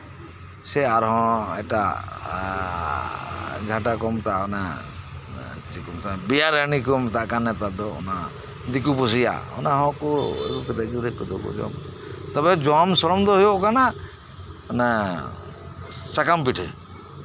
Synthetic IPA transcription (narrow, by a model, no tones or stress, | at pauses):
sɛaɾɦɔ̃ɛ̰ʈa̰ | d͡ʒʱãʈakɔmt̪aʔɔna | t͡ʃikumt̪abijaɾanikɔmt̪aʔkanːɛt̪ad̪ɔɔ̰na | d̪ikupɔs̬ija̰ɔ̰naɦɔ̃kɔɛ̰bɔkɔd̪akid̪ɾɛkɔd̪ɔkɔ̰d͡ʒɔ̰m | t̪ɔbɛd͡ʒɔamsɔɾɔmd̪ɔɦɔjɔʔkana | na | sakampiʈʰɛ